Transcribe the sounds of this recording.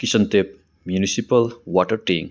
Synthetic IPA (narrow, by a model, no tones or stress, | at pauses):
kisɐnt̪ep̚ | mjunisipɐlwaʈɐɾʈeŋ